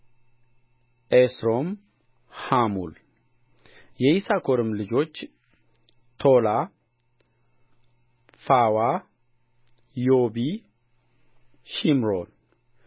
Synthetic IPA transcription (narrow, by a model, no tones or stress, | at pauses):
ʔesɾo̞m | hamṵl | jɛisakʰoɾɨmlɨd͡ʒo̞t͡ʃː | t̪ʰola | fawa | jobi | ʃimɾon